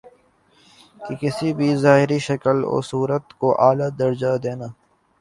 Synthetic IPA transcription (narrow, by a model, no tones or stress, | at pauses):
kikɪsibʱizaːɦɪɾiʃɐkəlo̰ːsuːɾət̪koʔaːlad̪ɐɾd͡ʒad̪eːnaː